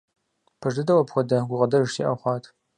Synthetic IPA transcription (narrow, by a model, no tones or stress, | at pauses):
pʰɐʐdɨdɐwɐpxʷɔdɐɡʷʊʁɐdɐʒtʰḭʔa̰wχʷɑːtʰ